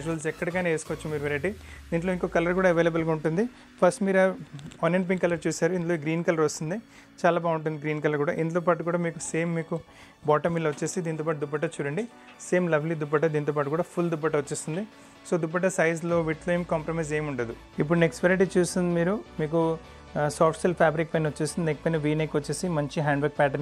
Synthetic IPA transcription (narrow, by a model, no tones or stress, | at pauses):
d͡ʒuʋɐls̬ɛkːɐɽɐkaːneeːsikɔʋɐt͡ʃːumiːɾuʋeɾɐʈid̪iːɳʈ̬lo̞ːiŋkoːkɐlɐɾkuːɽaːɐʋeːlɐbɐlɡaːuɳʈund̪i | pʰɐsʈmiːɾɐɐneɳɖp̬iŋkːɐlɐɾt͡ʃuːsaːɾuind̪loɡɾiːnkɐlɐɾʋɐst̪und̪i | t͡ʃaːlaːbaːuɳʈ̬und̪iɡɾiːnkɐlɐɾkuːɽa̰ːʔind̪ut̪oːpaːʈukuːɽaːmiːkuseːmːiːku | baːʈɐmilːɐʋɐt͡ʃːe̞ːsid̪iːnt̪oːpaːʈud̪ubːɐʈɐt͡ʃuːɽɐɳɖi | se̞ːmlɐʋʰʱlid̪ubɐʈɐd̪iːnt̪oːpaːʈukuːɽaːpʰuld̪ubɐʈɐʋɐt͡ʃːeːsind̪i | so̞ːd̪upːɐʈ̬ɐsɐjzlo̞ːʋiʈlojmkampɾomɐjze̞ːmuɳʈud̪u | ipːuɽunekspeɾiʈ̬it͡ʃuːsind̪imiːɾumiːk̬u | saːɾʈselpʰaːbɾikpɐjnɐʋɐt͡ʃːeːsind̪iekːipɐjnɐʋiːnekʋɐt͡ʃːe̞ːsimɐɲt͡ʃiɦaːɳɖbʋɐɾk̚pæːʈɐɾn